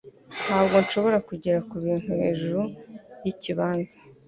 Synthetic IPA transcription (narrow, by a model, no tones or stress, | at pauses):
nhaːb̚ɡo̞nʃo̞βo̞ɾakuɟeɾakuβiːn̥tuhe̞̰ːʒuɾujiciβaːnzḁ